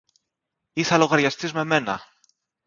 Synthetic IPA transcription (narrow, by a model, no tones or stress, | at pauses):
iθɐlo̞ɣɐɾʝɐst̪izme̞me̞nɐ̰